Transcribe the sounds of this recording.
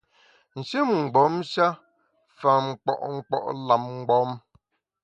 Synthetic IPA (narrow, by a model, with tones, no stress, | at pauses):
n̩˨ʃe˦mŋ̩˨ɡ͡bɔ˨˦mʃa˦ | fa˨ŋ͡m̩˨k͡pɔ̰˨ʔŋ̩˨k͡pɔ̰˨ʔla˨m̚ŋ̩˨ɡ͡bɔ˨˦m